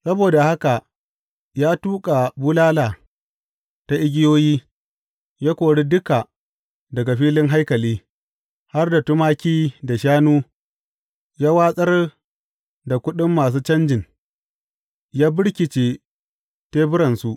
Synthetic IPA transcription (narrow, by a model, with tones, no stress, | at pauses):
sɐ˦boː˨da˨ha˦ka˨ʔ | jaː˦tuː˦kʼa˨bʊ˦laː˦laː˨ | ta˦ʔɪ˦ɡʲɪ˦joː˦jiː˦ | jaː˦kʷoː˨ɽi˦dʊ˦ka˨ | dɐ˨ɡa˨ɸiː˦lɪ˦ŋɦa˦jkɐ˨liː˦ | ha˦rda˨tʊ˦maː˦kʲiː˦da˨ʃaː˦nuː˦ | jaː˦waː˦sʼɐ˦r | da˨kʷʊ˦ɗɪ˦mːaː˨s̬uː˦t͡ʃɐ˦nd͡ʒɪ˨n | jaː˦bɪ˦ɽkʲɪ˨t͡ʃeː˨ | teː˦bʊ˦ɾɐ˨nsu˦ʔ